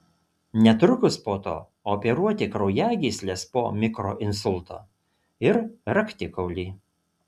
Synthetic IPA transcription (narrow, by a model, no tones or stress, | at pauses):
nʲɛt̪ɾʊkʊspoːt̪o̰ː | oːpʲɛɾuɔt̪ʲɪkɾɒʊjæːɡʲiːsʲlʲespo̰ːmʲɪkɾo̰ːʔɪnsʊlʲˠt̪o̰ː | ɪɾɾɐkʲt̪ʲɪkɔʊlʲiː